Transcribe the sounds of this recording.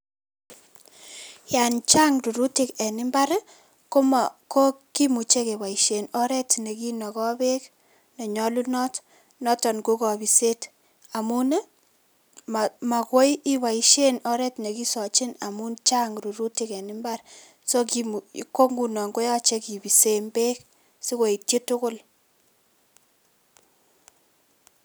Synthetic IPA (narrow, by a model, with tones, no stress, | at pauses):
ja˨nt͡ʃa˦ŋɾu˨ɾu˦tɪ˦kɛ˨nɪ˦mba˦ɾ | ko˦ko˦ki˦mu˨t͡ʃe˦ke˨wa˨i˨ʃe˨nɔ˦ɾɛ˦tne˨ki˦nɔ˨kɔ˦be˦k | nɔ˨ɲɔ˦lu˦nɔ˦t | nɔ˦tɔ˨nko˦kɔ˨bi˨se˦t | a˨mu˦n˦ | ma˨ma˨kwo˦ji˦wa˨i˦ʃe˦nɔ˦ɾɛ˦tne˨ki˦sɔ˨t͡ʃɪ˦na˨mu˦nt͡ʃa˦ŋɾu˨ɾu˦ti˨kɛ˨nɪ˦mba˦r | so˦ki˨mu˨ko˦ŋɡu˨nɔ˨ŋɡo˦jɔ˦t͡ʃe˦ki˨bi˨se˦mbe˦k | si˦ko˨i˨tje˦tʊ˦kʊ˦l